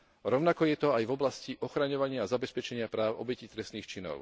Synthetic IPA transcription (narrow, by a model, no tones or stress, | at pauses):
ɾɔʊnakɔjɛt̪ɔajvɔblasciʔɔxɾaɲɔʋaɲɪaːzabɛspɛt͡ʃɛɲɪapɾaːʊʔɔbɛcit̪ɾɛst̪niːxt͡ʃinɔ̰ʊ